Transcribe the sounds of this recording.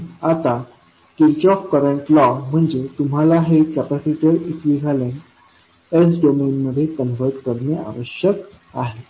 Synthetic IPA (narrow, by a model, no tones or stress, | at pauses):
at̪a | kilt͡ɕɔfkəɾəɳʈlɔm̤əɳd͡ʑet̪um̤alaɦekæpasiʈəɾitʋiɡʱalẽn | esɖomenməd̪ʱːjekənʋəɾʈkəɾnea̰ʋəɕjək | aɦe